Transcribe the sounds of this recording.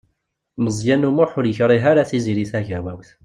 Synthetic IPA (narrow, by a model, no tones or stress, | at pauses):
məzˤjænumʊħʊɾjəçɾˤiɦaɾaθiziɾiθæʝæwæwθ